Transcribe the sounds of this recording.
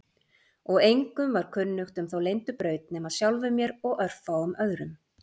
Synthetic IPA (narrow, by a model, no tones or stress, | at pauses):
ɔɣejŋkʏmvaɾ̥kʰʏnːʏxt̪ʏmθawlejnt̪ʏpɾœːɥt̪̚nɛːmaðsjawlvʏmjɛɾɔɣœr̥faʏmœɣɾʏm